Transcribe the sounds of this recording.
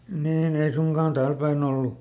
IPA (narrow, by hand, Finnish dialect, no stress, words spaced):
niːn ei suŋkɑˑn tæːl pæin olːu